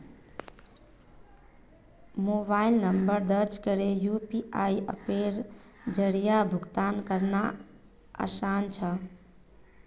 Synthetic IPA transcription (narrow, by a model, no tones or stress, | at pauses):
mobailnəmbəɾd̪əɾt͡ʃʰkəɾejupiaiə̰peɾ | d͡ʒəɾijabʱuɡt̪ankəɾna | a̰sant͡ʃʰə